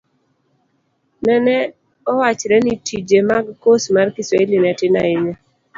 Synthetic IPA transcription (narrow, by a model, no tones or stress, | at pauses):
nɛnɛ | ɔwat͡ʃɾɛnitʰid͡ʒemaɡkosmarkɪsɔelinɛtɪna̰ɪɲe